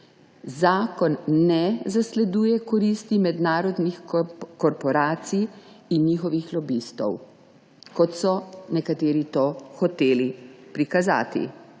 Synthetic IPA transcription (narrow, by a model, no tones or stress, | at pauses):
zaːkɔnːɛzaslɛd̪uːjɛkɔɾist̪imɛd̪naːɾɔd̪nixkɔɾpɔɾaːt̪sij | inɲiːxɔʋixlɔbist̪ɔ̰w | kɔt̪sɔnɛkat̪eːɾit̪oːxɔt̪eːlipɾikaza̰ːt̪ḭ